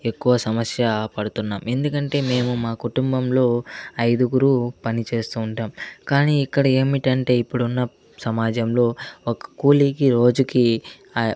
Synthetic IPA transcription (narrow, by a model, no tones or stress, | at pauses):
e̞kːuʋɐsɐmɐsjɐpɐɽut̪unːaːme̞nd̪ukɐɳʈe̞ːme̞ːmumaːkuʈumbɐmlo̞ːɐjd̪uɡuɾupɐnit͡ʃe̞ːst̪uːɳʈaːmkaːniːikːɐɽɐe̞ːmiʈɐɳʈe̞ːipːuɽunːɐ | sɐmaːd͡ʒɐmlo̞ːɔkɐ̥kuːlikiɾo̞ːd͡ʒuki